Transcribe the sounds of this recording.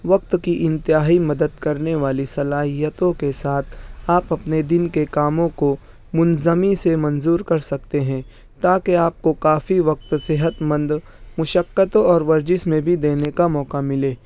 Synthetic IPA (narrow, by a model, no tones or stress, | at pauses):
ʋɐk̚t̪kiʔɪ̃nt̪ɪjaːɦimɐd̪əd̪kɐɾneʋaːlisɐlaːɦijət̪õkesaːt̪ʰaːpɐpned̪ɪnkekaːmõko | mʊnzəmisemɐ̃nzuːɾkɐɾsɐk̚t̪eɦɛ̃ | t̪aːkeaːp̚kokaːfiʋɐq̚t̪sɪɦət̪mɐ̃nd̪ | mʊʃəkːət̪õɔːɾʋɐɾd͡ʒɪsmẽbʱid̪eːnekamɔːkamɪleː